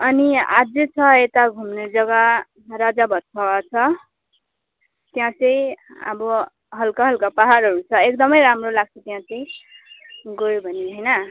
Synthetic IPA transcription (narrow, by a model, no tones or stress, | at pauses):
ʌnia̰d͡zet͡sʰʌet̪aɡʱumned͡zʌɡa | rad͡zabʱʌtt͡sʰawat͡sʰʌ | t̪jãt͡sʌ̃j̃ʌ̰bʌ | ɦʌlkaɦʌlkapaɦaɾɦʌɾut͡sʰʌek̚d̪ʌmʌjɾamrolaɡ̚t͡sʰʌt̪jãt͡sʌj̃ | ɡʌjobʱʌniɦʌjnʌ